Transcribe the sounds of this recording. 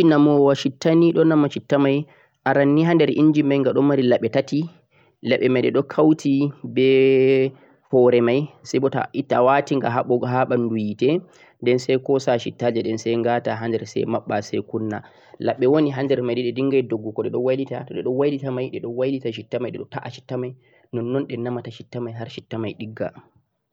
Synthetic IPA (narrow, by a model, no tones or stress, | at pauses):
inamɔwaʃitːaniɗɔnːamaʃitːamaj | ʔaɾanːiɦandɛɾʔiɲd͡ʒimajŋɡaɗɔmːaɾilaɓːɛtati | laɓɛmajɗɛɗɔkʰawtʰibɛ | fɔɾɛmajsajbɔta̰itːawatiŋɡaɦaɓɔɦaɓandujitɛ | ndɛnsɛjkɔsaʃitːad͡ʒɛɗɛnsɛjŋɡataɦand͡ʒɛɾsɛ̰jmaɓːasɛjkunːa | laɓːɛwoniɦand͡ʒɛɾmajdɛɗɛdiŋɡajdoɡːukɔɗɛɗɔwajlita̰tɔɗɛɗɔwajlitamajɗɛɗɔwajlitaʃ̬itːamajɗɛɗɔtaʔaʃi̥tːamaj | nɔnːɔnɗɛnamataʃitːamajɦaɾʃitːamajɗiɡːa̰